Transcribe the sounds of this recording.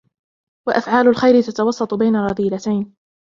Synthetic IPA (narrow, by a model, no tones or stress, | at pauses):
waʔafʕaːlʊlxajɾɪt̪at̪ɑwɑsˤːɑt̪ˤbajnarˤːɑd̪ˤiːlat̪ajn